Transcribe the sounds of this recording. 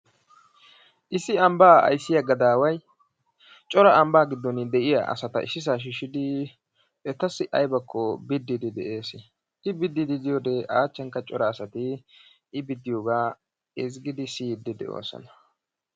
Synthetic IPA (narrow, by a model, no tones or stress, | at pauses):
ʔɪsɪɐmbaːɐ̰jsːɪjɐɡɐd̪aːwɐj | t͡ʃʼɔɾɐɐmbaːɡɪd̪ːɔnd̪ɛʔɪjɐ̰ʔɐ̰sɐt̪ɐ̰ʔɪsːɪs̬aːʃ̬ɪʃɪd̪ɪ | ɛt̪ːɐsːɪʔɐjbɐkːɔbɪd̪ːɪd̪ɪd̪ɛʔe̞ːsɪ | ʔɪbɪd̪ːɪd̪ɪd̪ɪjoːd̪ɛʔaːt͡ʃːɛŋkːɐt͡ʃʼɔɾɐːsɐt̪ɪ | ɪbɪd̪ːɪjoːɡaː | ɪzɡɪd̪ɪsiːd̪ːɪd̪ɛ̰ʔo̰ːsɔ̰nɐ̥